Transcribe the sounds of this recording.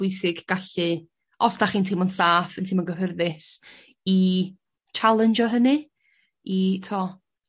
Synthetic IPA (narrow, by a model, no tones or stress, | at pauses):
ʊɨsɪɡɡ̥aɬɨ | ɔsdaχiːntʰɪmɔnsaːfəntʰɪmɔnɡəɦərðɪs | i | t͡ʃʰalˠənd͡ʒɔɦənɨ | itʰɔː